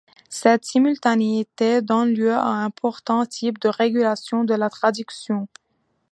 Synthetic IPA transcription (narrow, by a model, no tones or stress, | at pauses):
sɛt̪simylt̪aneit̪ed̪ɔnljøa̰ɛ̃pʰɔʁt̪ɑ̃t̪ʰip̚d̪əʁeɡʲylasjɔ̃d̪əlat̪χad̪yksjɔ̃